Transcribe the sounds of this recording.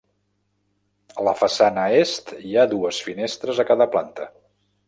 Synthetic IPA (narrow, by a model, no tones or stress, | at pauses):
ələfəsanəest̪iaðuəsfinest̪ɾəzəkaðəplant̪ə̰